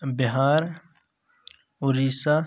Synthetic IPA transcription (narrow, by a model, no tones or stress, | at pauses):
biɦaːɾ | uɾisa